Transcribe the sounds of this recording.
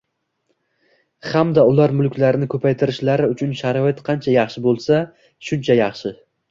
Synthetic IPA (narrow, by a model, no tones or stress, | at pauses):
hamd̪aʊlaɾmʊlˠkʲʰlaɾɪnɪkʰɵpʰajt̪ʰɪɾɪʃlaɾɪʊt͡ʃʰʊnʃaɾɒɪt̪qʰɑnt͡ʃʰajɑχʃɪbolˠsa | ʃʊnt͡ʃʰajɑχʃɪ